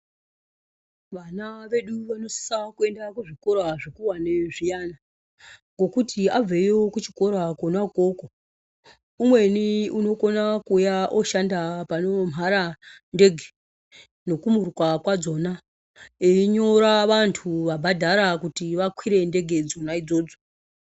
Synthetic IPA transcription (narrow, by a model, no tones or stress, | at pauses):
ʋanaʋe̞ɗuʋano̞si̥sakue̞ndakuʐiko̞ɾaʐikuwaneʐijana | ŋɡo̞kutiab͡vejokut͡ʃi̥ko̞ɾakonako̞ko | umwe̞niuno̞ko̞nakujaʔoʃandapano̞m̤ʱaɾande̞ɡʱe | no̞kumurukwakwad͡zo̞na | eiɲo̞ɾaʋantʰuʋabʱadʱaɾakutiʋakwiɾe̞nde̞ɡʱe̞d͡zo̞naid͡zo̞ːd͡zo